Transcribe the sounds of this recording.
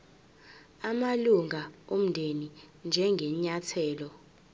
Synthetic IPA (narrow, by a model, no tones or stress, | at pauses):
amaluŋʱaom̩ndʱenind͡ʒʱɛŋɡʱɛɲatʰɛːlɔ